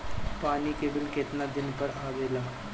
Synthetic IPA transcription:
paːnikebɪlkɪt̪nad̪ɪnpəɾaːʋeːlaː

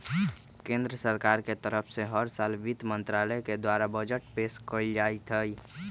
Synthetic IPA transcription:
kẽnd̪ɾəsəɾkaːɾket̪əɾəpʰseɦəɾsaːlʋit̪mə̃nt̪ɾaləeked̪waːɾabəd͡ʒəʈpeːskəld͡ʒaːit̪ʰɦəi

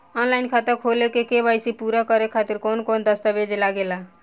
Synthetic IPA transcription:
ɔnlaɪnkʰat̪əɾkʰolekekebajsipuɾakəɾekʰat̪iɾkonkond̪əst̪abed͡ʒelaɡela

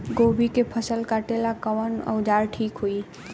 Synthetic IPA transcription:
ɡobʱikepʰəsəlkaʈelakəwənə̰wd͡ʒaɾʈʰikɦoj

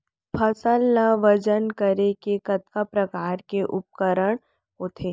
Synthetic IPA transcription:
pʰɐsəlːaʋɐd͡ʒənkəɾekekɐt̪kapɾɐkaːɾkeʔʊp̚kəɾəɽ̃ | ʊt̪ʰeː

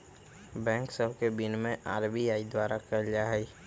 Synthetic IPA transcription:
bɛ̃ːŋksəbʱkebɪnmẽʔa̰ːɾbiaːid̪waːɾakəɾd͡ʒaɦɛ

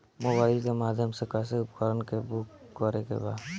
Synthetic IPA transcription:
mobaːikemaːd̪ʱjəmsekɛːs̬eʊpkəɾənkebʊkːɔɾekḛba̰ːd̪

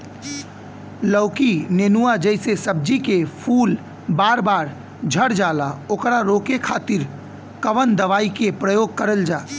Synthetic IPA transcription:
ləʊkineːnuad͡ʒəɪsesəb̚d͡ʒikepʰuːl | baːɾbaːɾ | d͡ʒʱəɽd͡ʒaːlaoːkɾaɾoːkekʰaːt̪ɪɾ | kəʋənd̪əʋaːikepɾəjoːɡ̚kəɾəld͡ʒaː

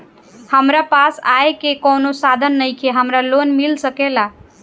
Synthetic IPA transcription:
həmɾapasajkekownosad̪ʱənːəjkʰeɦəmɾalonmilsəkela

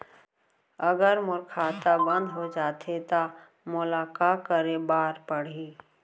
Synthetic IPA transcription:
əɡəɾmʊɾkʰaːt̪abə̃nd̪ɦod͡ʒaːt̪ʰet̪a | mʊlaːkaːkəɾebaːɾpəɽ̤iː

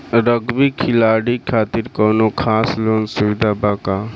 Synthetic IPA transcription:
ɾəɡbikʰilaɽikʰaːt̪iɾkɔwnokʰaːsloːnsuʋid̪ʱabaka

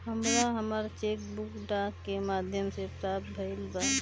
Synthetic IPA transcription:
həmɾaɦəməɾt͡ʃek̚bukɖakːemad̪ʱjəmsepɾap̚bʱəɪlba

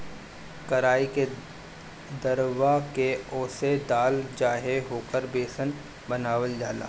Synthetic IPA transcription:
kɐɾaːike | d̪ɐɾʋakeɔːsed̪aːld͡ʒaːɦeɦoːkəɾbeːsən | bɐnaːʋəld͡ʒaːla̰ː

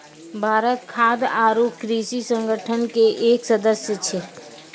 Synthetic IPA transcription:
bʱaːɾət̪kʰaːd̪aːɾoːpkɾiːʃisə̃ŋɡəʈʰənkeʔeːksɐd̪əsjət͡ʃʰe

